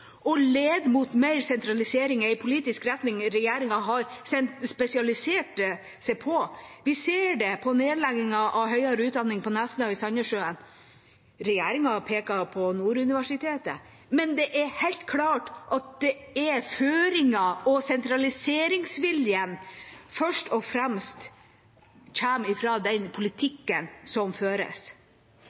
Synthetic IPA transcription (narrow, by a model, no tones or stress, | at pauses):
ʔɔleːd̪mut̪meɪɾsɛnt̪ɾɑlɪseːɾɪŋɛɪpʰʊliːt̪ɪskɾɛt̪nɪŋɾɛjeːɾɪŋɑɦɑɾsɛnt̪spɛsɪɑlɪseːʈ | sɛɪpʰɔʋɪseːɖɛpʰɔneːd̪lɛɡɪŋɑʔɑʋɦœʏɑɾəʉːt̪̚d̪ɑnːɪŋpʰɔnæsənɑʋɪsɑɲːəʂøːən | ɾɛjeːɾɪŋɑpʰeːkɑpʰɔnuːɾʉnɪʋæʂɪt̪ʰeːt̪ə̰ | mɛnd̪ɛʔæɾhɛɪlt̪kʰlɑːʈʔɑt̪̚d̪ɛɛføːɾɪŋɑɔsɛnt̪ɾɑlɪseːɾɪŋsʋɪljənfœʂʈɔfɾɛmst̪ | çæːmɪfɾɑd̪ɛnpʰʊlɪt̪ʰɪkːənsɔmføːɾə̰s